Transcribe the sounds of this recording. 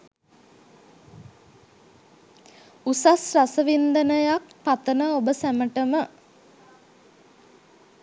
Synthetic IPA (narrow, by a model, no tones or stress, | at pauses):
usasrasəʋind̪ənəjakpat̪ənəobəsæməʈəmə